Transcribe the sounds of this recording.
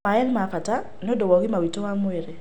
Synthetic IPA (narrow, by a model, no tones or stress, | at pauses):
maɛlimafata | niodɔwɔɣimawitɔwamweɾɛ